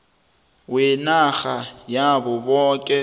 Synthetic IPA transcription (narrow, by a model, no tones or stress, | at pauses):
wɪnaxajabʊbɔːkʼɛ